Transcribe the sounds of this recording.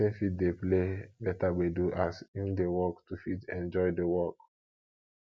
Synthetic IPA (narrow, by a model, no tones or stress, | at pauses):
ẽfit̚deplebɛtaweduʔasidewɔktufitɛ̃nd͡ʒɔɪdewɔk